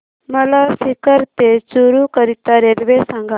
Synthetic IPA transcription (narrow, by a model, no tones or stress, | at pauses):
mɐlasikəɾt̪et͡ʃuɾukəɾit̪aɾeːlʋesãŋɡa